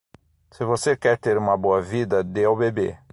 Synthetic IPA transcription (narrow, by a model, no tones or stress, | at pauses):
sɪvosekɛɾt̪eɾũmɐboɐvid̪ɐd̪eawbebḛ